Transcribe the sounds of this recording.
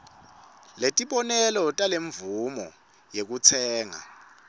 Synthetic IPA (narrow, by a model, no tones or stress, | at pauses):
letʼiɓɔnɛlɔtʼaleɱvumɔ̰ | jek̬ut͡sʰɛːŋa̰